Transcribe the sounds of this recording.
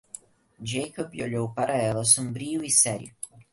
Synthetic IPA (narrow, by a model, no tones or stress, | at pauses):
d͡ʒejkoboʎowpaɾʔɐɛlɐsõbɾiʊisɛɾijʊ̰